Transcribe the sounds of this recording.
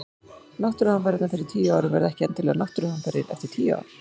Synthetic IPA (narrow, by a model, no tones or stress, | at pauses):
nawht̪ɾʏhanfaɾɪt̪nafɪɾɪɾ̥t̪ʰiːaːwɾɪvɛ̰ɾðɛhcɪɛnt̪ɪlɛːanawht̪ɾʏhanfɛɾɪ̰ɾɛ̰ft̪ɪɾt̪ʰiːa̰ːwɾɪ̥